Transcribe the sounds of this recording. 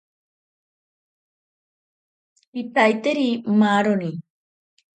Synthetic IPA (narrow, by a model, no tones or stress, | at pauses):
pipajt̪eɾimaːɾoni